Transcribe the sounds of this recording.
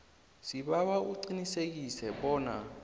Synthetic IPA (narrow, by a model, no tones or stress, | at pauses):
siɓaβauǀinisek̬isɛɓɔːna